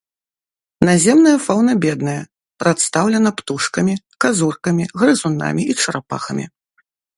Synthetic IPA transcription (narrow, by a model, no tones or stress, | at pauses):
nazʲɛmnɐjɐfawnɐbʲɛd̪̚nɐjɐ | pɾat̪st̪awlʲɛnɐpt̪uʂkɐmʲi | kazurkɐmʲiɣɾɨzuna̰mʲiit͡ʂɐɾapa̰xɐmʲḭ